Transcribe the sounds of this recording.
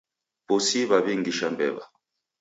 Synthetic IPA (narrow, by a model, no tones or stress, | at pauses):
posiβabiŋɡiʃambɛ̰ba̰